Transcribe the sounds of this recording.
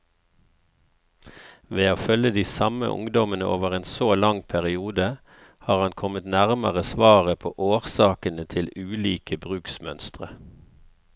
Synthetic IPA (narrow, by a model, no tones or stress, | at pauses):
ʋeːoːfœləd̪iːsɑmə̰ʔʊ̰ŋd̪ɔmənəʔoːʋəʁeːnsoːlɑŋpʰæʁɪuːd̪ə | hɑːʁɑnkʰɔmət̪næʁməʁəsʋɑːʁəpʰo̰ːʔoːʁsɑːkənət̪ʰɪlʉːliːkəbʁʉːksmœnst̪ʁə